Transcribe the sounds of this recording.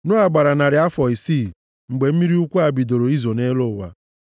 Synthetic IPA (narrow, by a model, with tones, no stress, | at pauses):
nʊ˦a˨ɡ͡ba˨ɾa˨na˨ɾɪ˨˦a˦fɔ˨i˨siː˦˨ | ŋ͡m̩˨ɡ͡be˨m̩˦mi˦ɾi˦u˦kʷu˦a˨bi˨do˨ɾo˨i˦zo˨ne˦lo˦˨wa̰˨